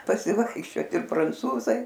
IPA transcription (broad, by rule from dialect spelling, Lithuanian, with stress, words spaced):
pɐsʲɪˈʋɐɪkʃʲt͡ʃʲoːt ɪr prɐnˈt͡suːzɐɪ